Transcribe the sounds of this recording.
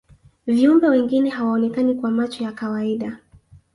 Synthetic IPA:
viumbɛwɛŋɡinɛhawaɔnɛkanikwamat͡ʃɔjakawaiɗa

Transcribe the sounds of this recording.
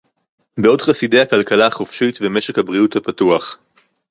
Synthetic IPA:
beo̞dχaside̞jhakalkalaaχofʃitveme̞ʃekhabʁiuthapatuaχ

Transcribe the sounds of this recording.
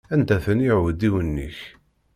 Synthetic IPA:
ænt̪æθəniʕəd̪iwənːḭç

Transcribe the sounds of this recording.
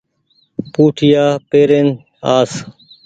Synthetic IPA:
puːʈʰɪjaːpeːɾeːn | aːs

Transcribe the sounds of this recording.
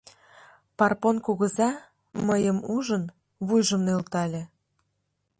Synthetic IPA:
pɑrponkuɣəzɑ | məjəmuʒən | βujʒə̆mnelt̪ɑlʲe

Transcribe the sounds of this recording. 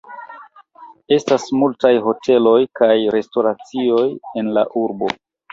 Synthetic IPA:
e̞stasmultajɦo̞tʰe̞lo̞jkajɾe̞sto̞ɾat͡sio̞je̞nla̰ʔuɾbo̞̰

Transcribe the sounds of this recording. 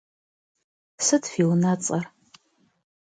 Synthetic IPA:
sɨtʰfiwnat͡sʼɐr

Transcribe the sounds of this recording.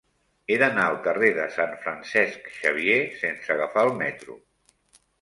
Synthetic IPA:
eðənaəlˠkəreðəsaɱfɾənsɛskʃəβ̞iesensəɣəfaəlˠmɛt̪ɾṵ

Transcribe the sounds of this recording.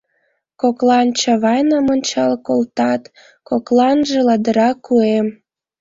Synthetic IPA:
koklɑnt͡ɕɑβɑjnəmonʲt͡ɕɑlkolt̪ɑt̪ | koklɑnʒĕlɑd̪əɾɑkːuem

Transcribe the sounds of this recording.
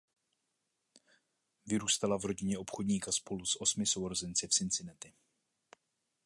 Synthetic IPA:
vɪɾuːst̪alavɾo̞ɟɪɲɛo̞pxo̞dɲiːkaspo̞lusʔo̞smɪso̞wɾozɛnt͡sɛfsɪnt͡sɪnɛt̪ɪ

